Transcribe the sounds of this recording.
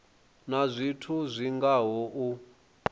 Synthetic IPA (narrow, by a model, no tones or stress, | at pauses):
nazʷitʰuzʷiŋɡaɦɔʔu